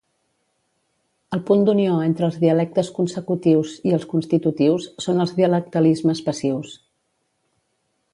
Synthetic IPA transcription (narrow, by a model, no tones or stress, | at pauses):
əlˠpund̪unioent̪ɾəːlˠzðiəlɛk̚t̪əskunsəkut̪iwziəlˠskunst̪it̪ut̪iwsːonəlˠzðiələk̚t̪əlizməspəsiws